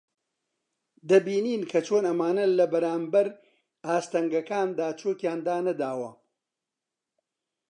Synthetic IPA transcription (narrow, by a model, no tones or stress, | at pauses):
d̪ɐbiːniːnkʰɐt͡ʃʰoːnɐmaːnɐlɐbɐɾaːmbɐɾ | aːst̪ɐŋɡɐkaːnd̪aːt͡ʃʰoːkjaːnd̪aːnɐd̪aːwɐ̰